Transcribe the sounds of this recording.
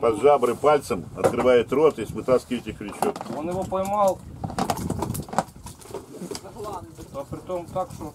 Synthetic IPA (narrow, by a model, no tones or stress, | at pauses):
pɐd̪ʐabɾɨpalʲt̪səmɐt̪kɾɨvajɪt̪ɾot̪ɪsvɨt̪askʲɪvətʲɪxɾʲɪt͡ɕot̪onjɪvopɐjmalˠ | nopɾʲɪt̪omt̪akt̪o